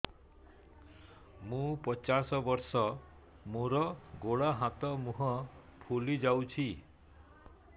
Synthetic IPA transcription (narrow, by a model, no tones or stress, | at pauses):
mũpɔt͡ʃasɔbɔɾsɔ | moɾɔɡoɽaɦat̪ɔmũɦɔpʰulid͡ʒawt͡ʃʰi